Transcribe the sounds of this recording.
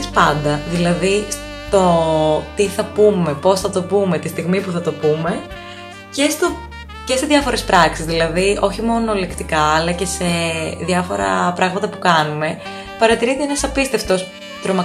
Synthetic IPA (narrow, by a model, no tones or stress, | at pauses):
spɐnd̪ɐðilɐðis | t̪o̞t̪iθɐpume̞po̞sθɐt̪o̞pume̞t̪ist̪iɣmipuθɐt̪o̞pume̞ | ce̞st̪o | cest̪izðjɐfo̞ɾe̞spɾɐksizðilɐðio̞çimo̞no̞lekt̪ikɐːlɐce̞se̞ðjɐfo̞ɾɐ̰pɾɐɣmɐt̪ɐpukɐnume̞ | pɐɾɐt̪iɾit̪eenɐsɐpist̪eft̪o̞s | t̪ɾomɐ